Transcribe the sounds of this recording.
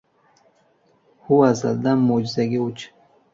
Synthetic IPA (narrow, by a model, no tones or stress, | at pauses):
huaza̰ld̪amod͡ʒzaɡiut͡ʃ